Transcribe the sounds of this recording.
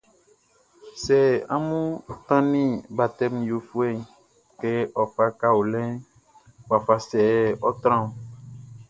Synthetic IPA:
sɛ˨a̰˦mũ˦t̪ã˦nĩ˦ba˨t̪ɛ˦m˨jo˨fu˦ɛ˦˨ | ke˦ʔɔ˨fa˦ka˦wo˨lɛ̃˦ | wa˨fa˨sɛ˨ɔ˦t̪ɾã˦˨

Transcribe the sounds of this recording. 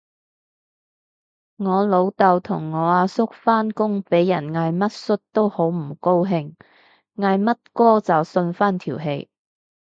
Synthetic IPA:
ŋɔː˨˧lo˨˧wt̪ɐ˨wt̪ʰʊ˨˩ŋːɔː˨˧aː˧sʊ˥k̚faː˥nkʊ˥ŋpe˨˥jːɐ˨˩nŋaː˧jmɐ˥t̚sɵ˥t̚t̪o˥who˨˥wm̩˨˩ko˥wɦɪ˧ŋ | ŋaː˧jmɐ˥t̚kɔː˥t͡sɐ˨wsɵ˧nfaː˥nt̪ʰiː˨˩wɦe˧j

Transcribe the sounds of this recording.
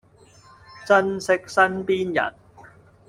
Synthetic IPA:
t͡sɐ˥nsɪ˥k̚sɐ˥npiː˥njɐ̰˨˩n

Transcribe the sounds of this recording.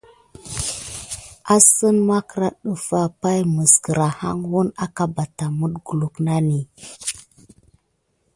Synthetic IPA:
a˦sə˦nma˦kə˨ɾa˦ɗu˨fa˦pa˦jmə˨sɡə˨ɾa˨ha̰˦ŋwu˦na˦ka˨ba˨ta˨mu˦ɗɡu˨lu˨kna˦ni˨

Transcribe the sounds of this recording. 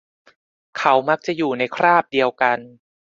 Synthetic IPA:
kʰa˦˥wma˦˥k̚t͡ɕa˨˩juː˨˩na˧jkʰɾaː˥˩p̚di˧əwka˧n

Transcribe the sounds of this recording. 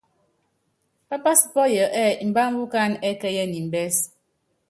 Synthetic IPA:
pa˦pa˦si̥˨pɔ˦jə˨ʔɛ˦˨m̩˨ba˦m̩˦bu˦ka˦nɛ˦kɛ˦jɛ˦˨ni˨m̩˨bɛ˦s

